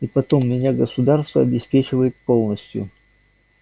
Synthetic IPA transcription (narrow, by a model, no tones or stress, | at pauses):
ipɐt̪o̞mːʲɪnʲaɡəsʊd̪arst̪vəɐbʲɪspʲet͡ɕɪvəjɪt̪̚po̞lˠnəsʲtʲjʊ̰